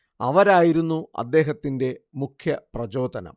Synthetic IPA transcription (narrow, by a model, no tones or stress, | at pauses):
ɐʋɐɾaːjiɾunːuɐ̰d̪ːe̞ːɦɐt̪ːinde̞mukʰjɐprɐd͡ʑo̞ːd̪ʱɐnɐ̰m